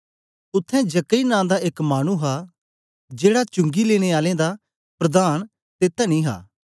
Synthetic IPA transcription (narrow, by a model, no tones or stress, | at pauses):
ʊt̪ʰːɛ̃d͡ʒɐkːəinãːd̪aɪkmaːɽ̃ũɦaː | d͡ʒeːɽat͡ʃʊ̃ŋɡileːɽ̃eːaːlẽd̪a | pɾəd̪aːñ | t̪eːt̪ːanĩːɦa̰ː